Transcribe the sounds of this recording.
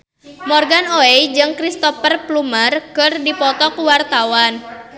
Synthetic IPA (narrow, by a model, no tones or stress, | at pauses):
mɔrɡanoɛd͡ʒɨŋkɾist̪ɔfərplumərkɨrdipɔt̪ɔkuwart̪awan